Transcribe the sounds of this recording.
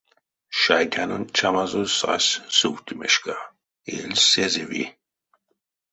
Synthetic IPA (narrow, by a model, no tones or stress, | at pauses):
ʃajt̪ʲʰanɔnt͡ʃʰamazusa̰ssuwt̪ʰimɛʃka | elsɛzɛvḭ